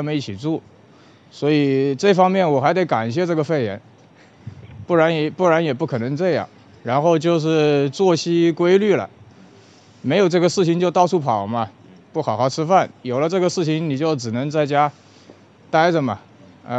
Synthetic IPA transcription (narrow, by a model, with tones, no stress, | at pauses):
mə˧ni˥˩t͡ɕʰi˨˩t͡su˥˩ | swɔ˧˥i˨˩ʈ͡ʂɤ˥˩fɑ˥ŋmjɛ˥˩nwɔ˨˩xa˧˥ɪt̪e˧˥ɪka˨˩nɕjɛ˥˧ʈ͡ʂɤ˥˩ɡə˩fe˥˩ɪjɛ̰˧˥n | pu˥˩ɻa˧˥njɛ˧˩˥pu˥˩ɻa˧˥njɛ˨˩p̬u˥˩kʰɤ˨˩nɤ˧˥ŋʈ͡ʂɤ˥˧jɑ̰˥˩ŋ | ɻa˧˥nxo˥˧ʊt͡ɕjo˥˧ʊʂ̬ɻ̩˥˧t͡swɔ˥˩ɕi˥kwe˥ɪly˥˩lə̰˩ | me˧˥ɪjo˨˩ʊʈ͡ʂɤ˥˩ɡə˩ʂɻ̩˥˩t͡ɕʰi˧˥ŋt͡ɕjo˥˧ʊt̪ɑ˥˧ʊʈ͡ʂʰu˥˩pʰɑ˨˩ʊmɐ˧ | pu˥˩xɑ˨˩ʊxɑ˥˩ʊʈ͡ʂʰɻ̩˥fa˥˩njo˨˩ʊlə˦ʈ͡ʂɤ˥˩ɡə˩ʂɻ̩˥˩t͡ɕʰi˧˥ŋni˨˩t͡ɕjo˥˩ʊʈ͡ʂɻ̩˨˩nɤ˧˥ŋt͡sa˥˩ɪt͡ɕja˥ | t̪a˥ɪd͡zə˨˩mɐ˩ | ə˧